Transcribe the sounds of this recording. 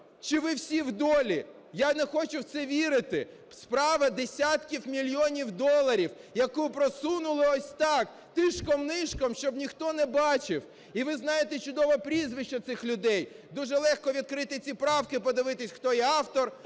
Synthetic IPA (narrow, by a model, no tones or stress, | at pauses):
t͡ʃɪʋɪwsʲiwd̪ɔlʲi | janɛxɔt͡ʃʊwt̪sɛʋʲiɾɪt̪ɪ | spɾɑʋɐd̪esʲat̪kʲiwmʲilʲjɔnʲiwd̪ɔlˠɐɾʲiwjɐkupɾɔsunʊlˠɪɔsʲt̪ɑk | t̪ɪʃkɔmnɪʃkɔmʃt͡ʃɔbnʲixt̪ɔnɛbɑt͡ʃɪw | iʋɪznɑjet̪ɛt͡ʃʊd̪ɔʋɐpɾʲizʋɪʃt͡ʃːɐt̪sɪxlʲʊd̪ɛjd̪uʒɛlˠɛxkɔʋʲid̪̚kɾɪt̪ɪt͡sʲipɾɑwkɪpɔd̪ɪʋɪt̪ɪsʲxt̪ɔjiɑwt̪ɔr